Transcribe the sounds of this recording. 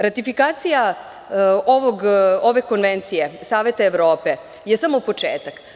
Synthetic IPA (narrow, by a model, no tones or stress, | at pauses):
ɾat̪ifikaːt̪sija | oʋoɡoʋe̞ko̞nʋent̪sijesaːʋe̞t̪aeʋɾo̞ːpe̞ | jesamopo̞t͡ʂḛːt̪ak